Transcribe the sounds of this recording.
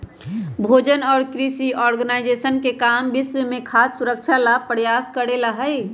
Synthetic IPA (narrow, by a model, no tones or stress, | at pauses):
bʱod͡ʒənɔːɾkɾisiɔːɾɡənaɪd͡ʒesənkekambɪswəmẽkʰassuɾək̚t͡ʃʰalab̚pəɾjaskəɽeləɦəj